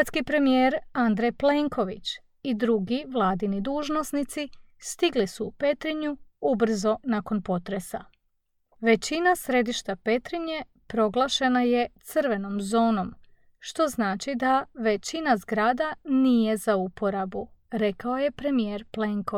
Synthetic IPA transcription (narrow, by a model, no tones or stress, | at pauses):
t̪skipɾe̞mijeɾand̪ɾejple̞ŋkʰo̞ʋḭt͡ɕ | id̪ɾuɡiʋlˠaːd̪inid̪uʒno̞snit̪sist̪iɡlisuːpe̞t̪ɾiɲuubr̩zo̞nako̞npo̞t̪ɾe̞sa | ʋe̞t͡ɕinasɾe̞d̪iʃt̪ape̞t̪ɾiɲe̞ | pɾo̞ɡlˠaʃe̞naje̞t̪sɨr̩ʋe̞no̞mzo̞ːno̞m | ʃt̪o̞znaːt͡ʃid̪aʋe̞t͡ɕinazɡɾaːd̪anije̞zaupʰo̞ɾabuɾe̞kao̞je̞pɾe̞mijeːɾpleŋko